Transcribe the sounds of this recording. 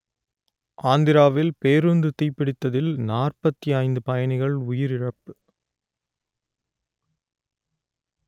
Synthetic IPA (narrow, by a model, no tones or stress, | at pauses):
ʔaːnd̪ɪɾaːʋɪlpeːɾɯnd̪ɯt̪iːpːɪɽɪt̪ːɐðɪlnaːrpɐt̪ːijɐɪnd̪ɯpɐjɐɳɪɣɐɭʊjɪɾɪɻɐpːɯ